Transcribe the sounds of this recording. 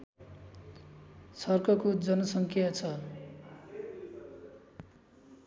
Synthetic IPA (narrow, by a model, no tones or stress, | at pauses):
sʌrkʰʌkod͡zʌnʌsʌŋkʰjat͡sʰʌ